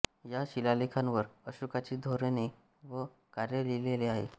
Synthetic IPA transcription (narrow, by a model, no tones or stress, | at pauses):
jaɕilalikʰãnʋəɾəɕukat͡ɕiːd̪ʱoɾene | ʋə | kaɾjəlileleaɦḛ